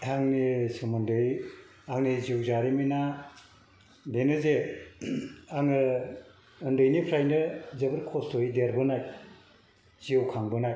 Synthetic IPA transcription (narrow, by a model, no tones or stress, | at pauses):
aŋnisɯmɯndɯj | aŋniziwzaɾimina | denɯze | aŋɯ | ɯndɯjnipʰɾajnɯzebɯɾkʰɔstʰojideɾbɯnaj | ziɯwkʰaŋbɯnaj